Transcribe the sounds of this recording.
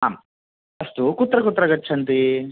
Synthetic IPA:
aːm | ɐst̪ukut̪ːɾɐkut̪ːɾɐɡɐt͡ʃʰːɐnt̪i

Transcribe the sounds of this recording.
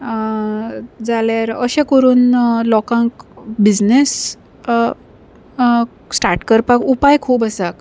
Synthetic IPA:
d͡zaljaɾəɕẽkəɾuːnlɔkãŋkbid͡znes | sʈaɾʈkəɾpakupajkʰuːpəsak

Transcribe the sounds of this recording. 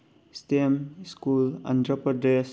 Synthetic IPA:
stemskulɐ̰ndɾɐpɐdes

